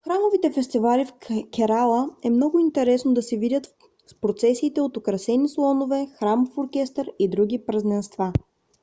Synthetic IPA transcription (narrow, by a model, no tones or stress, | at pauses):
xɾamovit̪ɛfɛst̪ivalifkʲɛɾalˠəɛmnɔɡʊint̪ɛɾɛsnod̪ɐsɛvid̪ʲət̪ | spɾot̪sɛsiːt̪ɛot̪okɾɐsɛnislˠɔnovɛxɾamfoɾkʲɛst̪əɾid̪ɾuɡʲipɾɐznɛnst̪va